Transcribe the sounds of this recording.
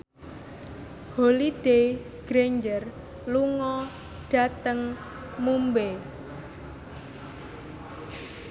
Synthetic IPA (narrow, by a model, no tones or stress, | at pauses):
holid̥e | ɡ̥ɾeɲd͡ʒər | luŋɔ | ɖ̥a̤t̪əŋ | mumbe